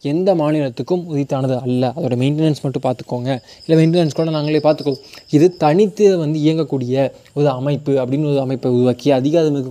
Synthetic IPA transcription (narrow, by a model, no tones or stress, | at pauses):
ɛnd̪ɐmaːnɪɭɐt̪ːɯkːɯmʊðɪt̪ːaːnɐðɯɐlːɐɐðoːɽɐmɐɪnʈɛnɐnsmɐʈːɯ̃paːɾt̪ɯ̥kːoːŋɡɐ | ɪlːɐmɛɪɳʈɛnɐnskoːɽɐnaːŋɡɐɭeːpaːɾt̪ɯkːɐ̃ɪðɯt̪ɐɳɪt̪ːɯʋɐnd̪ɯɪjɐŋɡɐkːuːɽɪjɐ | ɔɾɯɐmɐɪpːɯɐpːɐɽɪnrɐɔðɯɐmɐɪpːɐʊɾɯʋaːkːɪɐðɪɣaːðɐmɯkːɯ